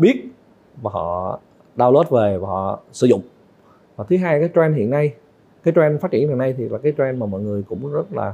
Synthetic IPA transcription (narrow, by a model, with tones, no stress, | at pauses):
ɓi˦˥ət̚ | vaː˨˩hɔ̰˧˨ | ɗaː˧wlo˦˥t̚ve˨˩vaː˨˩ɔ̰˧˨sɨ̰˧˦zʊ̰˧˨ŋ͡m | vaː˨˩t̪ʰɨ˨˦ɦaː˧jkaː˨˦jt͡ɕwɛ˧nɦḭ˧˨ənːa˧j | kaː˨˦jt͡ɕwɛ˧nfaː˦˥t̚t͡ɕi˧˩ənhḭ˧˨˩na˧jt̪ʰi˨˩laː˨˩kaː˨˦jt͡ɕwɛ˧nmaː˨˩mɔ̰˧˨jŋɨ˨˩əjkʊ̰˧˥ŋ͡mzə˦˥t̚la̰ː˨˩